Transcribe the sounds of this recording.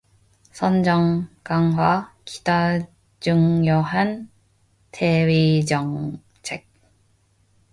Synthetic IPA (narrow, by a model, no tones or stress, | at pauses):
sʰʌnd͡ʑʌŋkaŋɦwaki̥da | d͡ʑuŋjʌɦan | tʰeɥid͡ʑʌŋ | t͡ɕʰek̚